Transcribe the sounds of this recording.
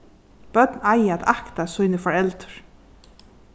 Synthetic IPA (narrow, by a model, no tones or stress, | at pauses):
b̥œt̪naɪæt̪akt̪asʊʏnəfɔɹɛlt̪ə̥ɹ